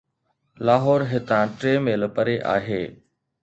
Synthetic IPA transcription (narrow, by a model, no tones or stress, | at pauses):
laːɦɔːɾɦɪt̪ãːʈɾeːmeːləpəɾeʔa̰ːɦeː